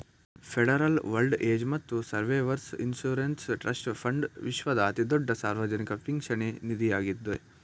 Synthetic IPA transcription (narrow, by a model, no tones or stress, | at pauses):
pʰeɽɐɾɐlʋɐlɖeːd͡ʒmɐt̪ːusɐɾʋeːʋɐɾsinsuːɾensʈɾʔɐsʈpʰɐɳɖʋiʃʋɐd̪ɐɐt̪id̪ɔɖːɐsaːɾʋɐd͡ʒɐnikɐpʰiŋɡʂʃɐɳenid̪ijaːɡid̪ːe